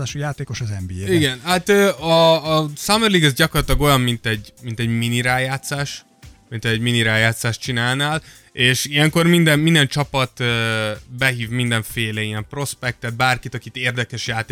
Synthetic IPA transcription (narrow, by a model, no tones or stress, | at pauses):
aːʃujaːt̪eːko̞ʃɒzɛmbieiɡɛnhat̪øːɒːsɒmɛrliːɡɛzɟɒkorɒt̪lɒɡo̞jɒmmint̪ɛɟmint̪ɛɟminiɾaːjaːt̪saːʃ | mint̪ɛɛɟminiɾaːjaːt̪saːʃt͡ʃinaːlnaːl | eːʃijɛŋko̞rmind̪ɛmmind̪ɛnt͡ʃɒpɒt̪ːbɛɦiːvmind̪ɛɱfeːlɛijɛmpro̞spɛk̚t̪ɛt̪̚baːrkit̪ɒkit̪eːrd̪ɛkɛʃjaːt̪ː